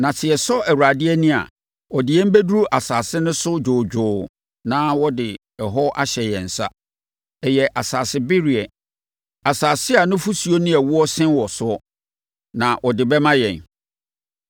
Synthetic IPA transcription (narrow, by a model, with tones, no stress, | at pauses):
nã˨sʰɪ˨ɛ˨sɔ˦ʔæ˨wu˨ɾa˨dɪ˦ɛ˦nĩ˦a̰˨ | ɔ˨dɪ˨jɛ˦m̩˦be˦du˦ɾu˦ʔa˨saː˨sɪ˦nʊ̃˦sʊ˦d͡ʑoː˨d͡ʑᶣʊː˨ | nãː˦wɔ˦dɪ˨ | ɛ˨ɦɔ˦ʔa˦ɕɛ˨jɛ˨n̩˨sa˦ | ɛ˨jɛ˨ʔa˨saː˨sɪ˦bɪ˦ɾi˨ɛ˨ | a˨saː˨sɪ˦a˨nʊ̃˦fu˦su˨o˦nĩ˦ɛ˨wʊ˦ɔ˦sɪ̃˦nwɔ˨sʊ˦ɔ˦ | nã˨ʔɔ˨dɪ˨bɛ˦mã˦jɛ̃˨n